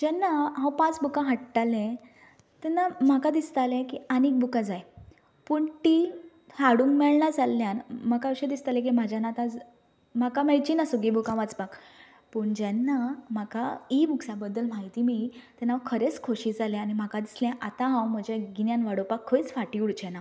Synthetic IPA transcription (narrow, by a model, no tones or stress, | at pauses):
d͡ʑɛnːaɦãwpãt͡sbukãɦəʈʈalɛ̃ | t̪ɛnːam̤akad̪ist̪alɛ̃kianik̚bukad͡zaj | puɳʈi | haɽummɛɭɳad͡zalːjanməkaɕed̪ist̪alɛ̃k̬im̤ad͡ʑʱjanat̪ãd͡z | m̤akamɛɭt͡ɕinasuɡibukãʋat͡sbak | puɳd͡ʑanːam̤akaibuksabəd̪ːəlm̤aɦit̪imit̪ɛnawkʰəɾet͡skʰoɕiːd͡zalɛ̃añim̤akad̪isljãʔat̪ãɦãwm̤əd͡ʑaɡinjanʋaɽopakʰːəit͡sfaʈiuɽt͡ɕena